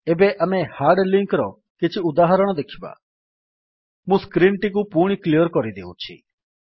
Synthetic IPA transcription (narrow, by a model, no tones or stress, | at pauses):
eːbɛʔɐmẽhaːɾɖlɪ̃ŋkɾɔ | kɪt͡ʃʰiʊd̪aːɦəɾəɽ̃ɔd̪ekʰiba̰ | mũskɾiːɳʈik̬upuɽ̃iklijəɾkɔɾid̪ḛːṵt͡ʃʰḭː